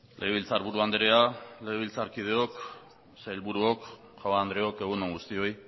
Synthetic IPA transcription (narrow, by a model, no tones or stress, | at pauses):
lʔeɣeilt͡saɾβuɾuand̪eɾeale̞ɣeβ̞ilt͡saɾkið̞e̞ok | seelβuɾuok | ʝawaːnd̪ɾe̞o̞ke̞ɣunoŋɡust̪io̞j